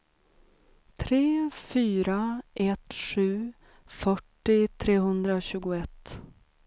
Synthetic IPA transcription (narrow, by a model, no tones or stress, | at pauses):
t̪ʰɾeːfyːɾaʔɛt̪ɧʉ̟ː | fœʈːɪt̪ʰɾeːɦɵnd̪ɾaɕʉ̟ːɡʊɛt̪ː